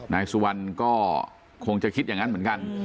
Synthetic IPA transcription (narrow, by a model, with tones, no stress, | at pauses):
naː˧jsu˧wa˧nkɔː˥˩ | kʰo˧ŋt͡ɕa˨˩kʰi˦˥t̪̚jaː˨˩ŋa˦˥nmɯ˩˦nka˧n